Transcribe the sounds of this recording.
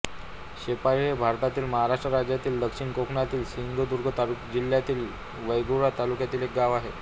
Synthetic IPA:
ɕepaɾɦebʱaɾt̪at̪iːlməɦaɾaʂʈɾəɾad͡ʑjat̪iːld̪əkʂiɳkokʰɳat̪iːlɕind̪ʱod̪uɾɡʱət̪alukd͡ʑiljat̪iːl | ʋəjɡuɽat̪alukjat̪iːlek̚ɡaʋaɦe

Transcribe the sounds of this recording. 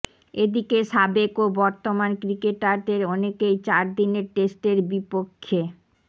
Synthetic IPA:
ed̪ikeʃabekobɔɾt̪omankɾikeʈaɾd̪eɾɔnekejt͡ɕaɾd̪ineɾʈesʈeɾbipokʰːe

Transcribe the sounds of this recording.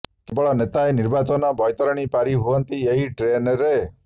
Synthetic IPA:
kebɔɭɔnet̪aeniɾbat͡ʃɔnɔbʱɔjt̪ɔɾɔɽ̃ipaɾiɦuɔnt̪ieɦiʈɾenɔɾe

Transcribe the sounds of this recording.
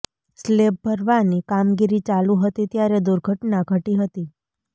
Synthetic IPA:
sleb̚bʱəɾʋanikamɡiɾit͡ʃalũɦət̪it̪jaɾed̪uɾɡʱəʈnaɡʱəʈiɦət̪i

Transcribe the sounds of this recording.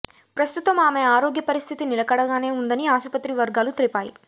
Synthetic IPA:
pɾɐst̪ut̪ɐmaːmeaːɾo̞ːɡjɐpɐɾist̪ʰit̪inilɐkɐɽɐɡaːne̞ːund̪ɐniaːʃupɐt̪ɾiʋɐɾɡaːlut̪ilipaːjḭ

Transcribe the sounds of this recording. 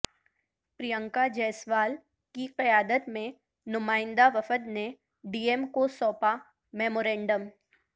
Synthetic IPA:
pɾijə̃ŋkad͡ʒɛːsʋaːl | kiqɪjaːd̪ət̪mẽ | nʊmaːɪ̃nd̪aʋɐfəd̪ne | ɖiːemkosɔːpa | mɛːmoːɾɛ̃ːɳɖəm

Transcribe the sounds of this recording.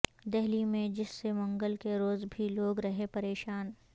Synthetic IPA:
d̪ɛɦlimẽd͡ʒɪsːemɐ̃ŋɡəlkeɾoːzbʱiloːɡɾɐɦepɐɾeːʃaːn

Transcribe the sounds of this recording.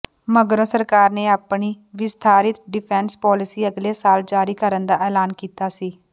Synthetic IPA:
məɡɾõːsəɾkaːɾneːaːpɳiː | ʋɪst̪ʰaːɾɪt̪ɖɪpʰɛːnspɔːlɪsiːəɡleːsaːld͡ʒaːɾiːkəɾənd̪aːʔɛːlaːnkiːt̪aːsiː

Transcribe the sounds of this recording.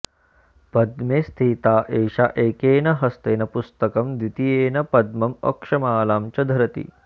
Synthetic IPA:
pɐd̪meːst̪ʰiːt̪aːʔeːʃaʔeːkeːnɐɦɐst̪eːnɐpust̪ɐkɐmd̪wit̪ijeːnɐpɐd̪mɐmɐ̰kʂɐmaːlaːmt͡ʃɐd̪ʱɐɾɐt̪ḭ

